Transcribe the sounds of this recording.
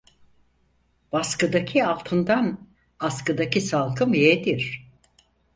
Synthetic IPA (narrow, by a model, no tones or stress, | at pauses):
b̥askɯd̪acʰialˠt̪ʰɯnd̪an | askɯd̪acʰisalˠkʰɯmjed̪iɾ̥